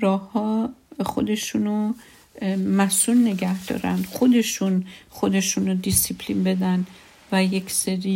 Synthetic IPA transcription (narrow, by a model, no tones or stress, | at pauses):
ɾɒːhːɒːxo̞d̪e̞ʃuno | mæsulːe̞ɡæhd̪̥ɒ̰ːɾæ̰nd̪xo̞d̪e̞ʃunxo̞d̪e̞ʃuːnod̪isipʰlinbe̞d̪æn | væjekʰseɾiː